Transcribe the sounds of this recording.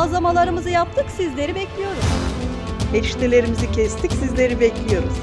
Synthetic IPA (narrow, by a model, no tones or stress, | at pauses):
azˠamalˠaɾɯmɯzɯjap̚t̪ʰɯksizlʲe̞ɾibɛclʲijo̞ɾuz | ɛʃt̪ʰelʲe̞ɾimizicʰɛst̪ʰicsizlʲe̞ɾibɛclʲijo̞ɾuz̥